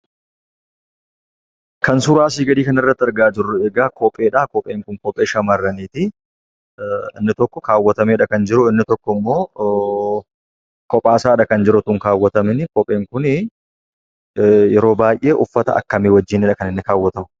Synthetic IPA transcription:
kɐnsʊɾaːsiːɡɐd̪iːkɐnɐrːɐt̪ːɪɐɾɡaːd͡ʒɪrːʊeːɡaːkɔpʼe̞ːᶑaːkɔpʼːeːŋkʊŋkɔpʼːeːʃɐmɐrːɐniːt̪ɪ | ɪnːɪt̪ɔkːɔkaːwːɐt̪ɐmeːᶑɐkɐnd͡ʒɪɾʊɪnːɪt̪ɔkːɔmːo̞ː | kɔpʼaːsaːᶑɐkɐnd͡ʒɪɾʊt̪ʊŋkaːwːɐt̪ɐmɪnɪkɔpʼːeːŋkʊn | jɛɾo̞ːbaːjʔe̞ːʔʊfːɐt̪ɐ̰ɐ̰kːɐmeːwɐd͡ʒːɪːnɪᶑɐkɐnɪnːɪkaːwːɐt̪ɐmʊ

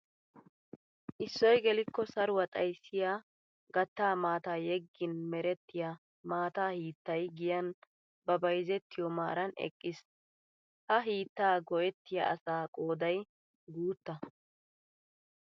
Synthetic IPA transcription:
ʔɪsːɔjɡɛlɪkːɔsɐɾʊwɐt̪ʼɐjsːɪjaː | ɡɐt̪ːaːmaːt̪aːjɛɡːɪnmɛɾɛt̪ːɪja | maːt̪aːhiːt̪ːɐjɡɪjɐn | bɐbɐjzɛt̪ːɪjɔma̰ːɾɐnɛ̰kʼːɪs | hɐɦiːt̪ːaːɡɔʔɛt̪ːɪja̰ʔɐsaːkʼo̞ːd̪ɐj | ɡuːt̪ːɐ

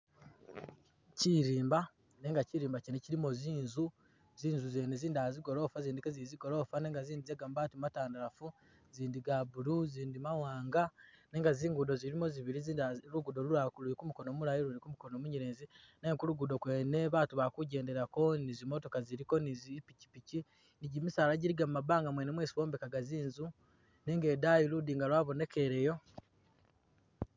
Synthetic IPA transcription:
ciɾiːmba | neːŋɡaciɾiːmbacineciɾimo̞ziːnzu | ziːnzuzeːneziːndiaziɡo̞ɾo̞ːfaziːndikeziziɡo̞ɾo̞ːfaneːŋɡaziːndizeːɡamubaːtimmataːndaɾafu | ziːndiɡabuɾuziːndimawaːŋɡane̞ːŋɡaziːŋɡudo̞ziɾimo̞ziβiɾiziːndɾuɡudo̞ɾuɾakuluikumuko̞noːmuɾajiɾunikumukonoːmuɲiɾeːnzinekuluɡudo̞kweːne̞βaːtuβakuɟe̞ːnde̞ɾako̞nizimoto̞kaziɾiko̞nizipici̥pici | niɟimisaːlaɟiɾiɡamumːabaːŋɡamwenemweːsi̥βo̞ːmbekaɡaziːnzu | neŋɡe̞daːjiludiːŋɡalwaːβo̞ne̞ke̞ɾejo̞

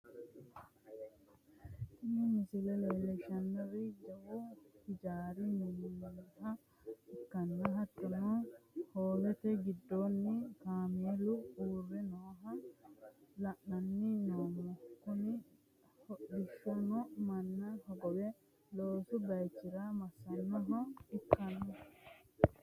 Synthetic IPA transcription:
t̪ɪnɪmɪsɪlɛleːlɛʃɐnːɐrɪd͡ʒɐwʊt̪ɪd͡ʒaːɾininihɐ | ɪkːɐnːɐɦɐt̪ːɔnɔhoːlɛt̪ɛɡɪd̪ːoːnːɪkaːmeːlʊuːrːɛnoːɦɐ | lɐʔnɐnːɪnoːmːɔkʊnɪ | hɔɗɪʃːɔnɔmɐnːɐhɔɡɔwɛ | loːsʊbɐjt͡ʃːɪɾamɐsːɐnːɔɦɔɪkːɐnːɔ

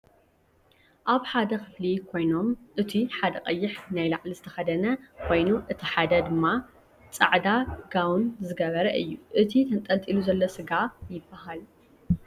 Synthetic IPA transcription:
ʔaβħad̪ɐxɨflikʰo̞jno̞mʔɨt̪ʰiħad̪ɐqʼɐjːɪħnajlaʕlizɨt̪ʰɐxɐd̪ɐnɐkʰo̞jnuʔɨt̪ʰiħad̪ɐd̪ɨmːa | t͡sʼa̰ʕd̪aɡawnzɨɡɐβɐɾɐʔɨ̰jːuʔɨt̪ʰit̪ʰɐnt̪ʼɐlt̪ʼiluzɐlːosɨɡajɪbːahal

